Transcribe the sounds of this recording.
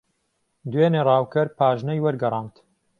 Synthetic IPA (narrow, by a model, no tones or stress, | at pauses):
d̪weːneːrˤɑːwkɐɾpʰaːʒnɐjwɐɾɡɐɾˤɑːnt̪